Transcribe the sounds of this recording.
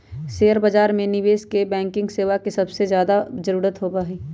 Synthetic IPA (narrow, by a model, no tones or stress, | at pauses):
seːəɾbad͡ʒaːɾmẽnɪʋeːskebɛ̃ːŋkɪ̃ŋɡseːʋakisɐbsezjaːd̪azəɾuːɾət̪ɦoːbaːɦiː